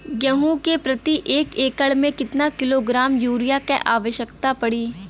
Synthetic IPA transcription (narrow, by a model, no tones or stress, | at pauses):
jɐɦũkepɾɐt̪iʔeːkeːkəɭmẽkɪt̪nakɪloːɡɾaːmjuːɾɪjakeʔaːʋəʃjəkt̪apɐɽiː